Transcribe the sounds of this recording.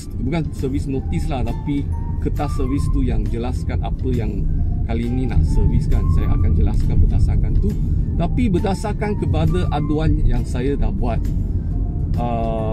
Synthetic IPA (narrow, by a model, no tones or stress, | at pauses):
bukansəvisnõt̪islaht̪api | kət̪asəvist̪ujaŋd͡ʒəlaskana̰pəjaŋkalinĩna̰ʔsəviskansaja̰a̰kand͡ʒəla̰skanbədasakant̪ut̪apibədasakankəpadaʔaduanjaŋsajadahbuat̪̚ | ʔə